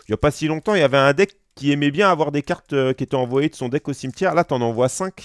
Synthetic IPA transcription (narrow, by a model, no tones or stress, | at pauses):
ljapasilɔ̃t̪ɑ̃iljavɛɛ̃d̪ɛkːiɛmɛbjɛ̃avwaʁd̪ekaʁt̪økʲiet̪ɛɑ̃vwajed̪əsɔ̃d̪ɛkosimt̪jɛʁlat̪yɑ̃nɑ̃vwasɛ̃k